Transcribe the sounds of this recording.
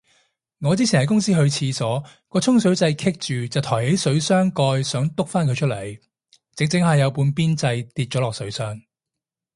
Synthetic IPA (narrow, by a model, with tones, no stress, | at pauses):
ŋɔː˨˧t͡siː˥i˨˩nhɐ˨˥jkʊ˥ŋsiː˥ɦɵ˧ɥt͡sʰiː˧sɔː˨˥kɔː˧t͡sʰʊ˥ŋsɵ˨˥ɥt͡sɐ˧jkʰɪ˥k̚t͡ʃyː˨t͡sɐ˨wt̪ʰɔː˨˩jhe˨˥jsɵ˨˥ɥsœː˥ŋkɔː˧jsœː˨˥ŋt̪ʊ˥k̚faː˥nkʰɵ˧jt͡ʃʰɵ˥t̚lɐ˨˩j | t͡sɪ˨˥ŋt͡sɪ˨˥ŋhɐ˨˩jɐ˨˧wpuː˧npiː˥nt͡sɐ˧jt̪iː˧t̚t͡ʃɔː˨˥lɔː˨k̚sɵ˨˥ɥsœː˥ŋ